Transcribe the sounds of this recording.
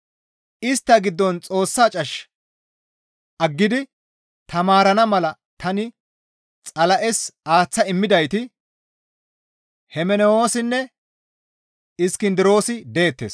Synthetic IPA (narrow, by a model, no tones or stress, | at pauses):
ɪst̪ːɐɡɪd̪ːɔnt͡sʼo̞ːsːaːt͡ʃʼɐʃ | ʔɐɡːɪd̪ɪ | t̪ɐmaːɾɐnɐmɐlɐ | t̪ɐnɪ | t͡sʼɐlɐʔɛsaːt͡sːɐɪmːɪd̪ɐjt̪ɪ | hɛmɛnɛo̞ːsɪnːɛ | ɪskɪnd̪ɪɾo̞ːsɪd̪e̞ːt̪ːḛːs